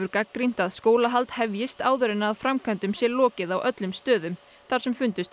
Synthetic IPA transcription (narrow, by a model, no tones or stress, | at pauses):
ʏɾkakːɾin̥t̪aðskoːwlaɦalt̪hɛvjɪst̪aːwðʏɾɪnːaːðfɾamkʰœnt̪ʏmsjɛlɔːcɪðawʔœt̪lʏmst̪œːðʏm | θaɾ̥sɛmfʏnt̪ʏst̪